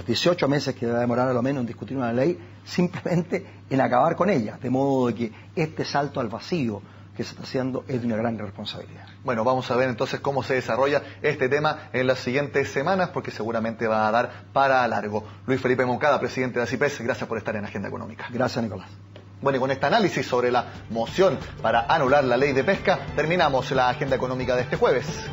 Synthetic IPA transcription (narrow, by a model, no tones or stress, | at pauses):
loðjesjo̞t͡ʃome̞seskeðeβaðemoɾaɾalomenoend̪ihkut̪iɾunalej | simplemẽ̞nt̪eː | nakaβaɾko̞ne̞ʎaðemo̞ðoðeke | est̪esalt̪oalβasio | keseht̪asjend̪oʔezðjunaɣɾanrespo̞nsaβḭlḭða | bwenoβamosaβeɾent̪o̞nseskomoseðesaroʝaest̪et̪emaenlasːiɣje̞nt̪esːemanaspoɾkeseɣuɾamẽ̞nt̪eβaːðaɾ | paɾalaɾɣo | lwisfe̞lipemo̞ŋkaðapɾesiðent̪eðasipesɣɾasjaspoɾest̪aɾenaxend̪aḛko̰no̰mikḁɡɾasjasnikolas | bwenokonest̪aːnalisisːo̞βɾelamosjonpaɾaʔanulaɾlalejðepeskat̪eɾminamoslaːxend̪aeko̞no̞mikaðeest̪exweβes